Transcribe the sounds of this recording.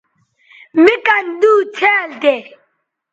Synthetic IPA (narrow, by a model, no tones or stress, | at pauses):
mikand̪uːt͡sʰɛːld̪ɛ